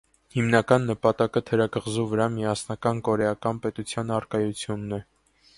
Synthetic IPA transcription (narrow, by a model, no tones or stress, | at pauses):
himnɑkɑnːəpɑt̪ɑkət̪ʰəɾɑkəʁzuvəɾɑmiɑsnɑkɑnkɔɾɛɑkɑnpɛt̪ut͡sʰjɑnɑrkɑjut͡sʰjunːɛ